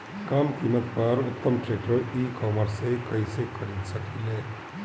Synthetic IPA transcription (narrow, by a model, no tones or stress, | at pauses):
kaːmkimət̪̚pɐɾʊt̪ːəmʈɾeːk̚ʈəɾiːkɔːməɾsekɐisekʰɐɾidsɐkileː